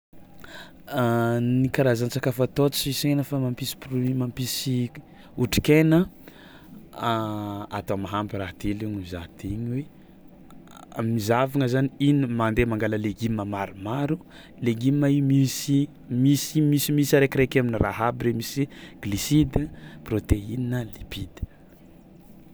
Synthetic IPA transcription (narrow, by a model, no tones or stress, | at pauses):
nikaɾazant͡sakafət̪ot͡sisenəfamampisi̥pɾmampisi | uʈ͡ʂi̥kenə | aa̰t̪omaɦampiɾat̪iliɲimiza̰t̪ʰiɲe | mizavaŋəzaniinmand̪emaŋɡaləleɡimːəmaɾumaɾu | leɡimːaimisi | misimisimisaɾekiɾekaminiraɦabiɾemisiɡ̥lisid̪əprot̪eininəlipid̪̥ə̥